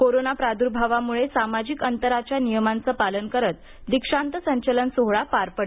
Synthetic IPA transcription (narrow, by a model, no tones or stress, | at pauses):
koɾonapɾad̪uɾbʱaʋamuɭesamad͡ʑikənt̪əɾat͡ɕjanijəmant͡səːpalənkəɾət̪̚ | d̪ikʂant̪əsəɲt͡ɕələnsoɦɭapaɾpəɽ